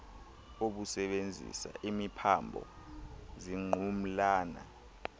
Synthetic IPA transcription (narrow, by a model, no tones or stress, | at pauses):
oɓusɛɓend͡zʱḭsa̰ʔimipʰambʱɔ̰ziŋ͡ǃʱum̩laːna̰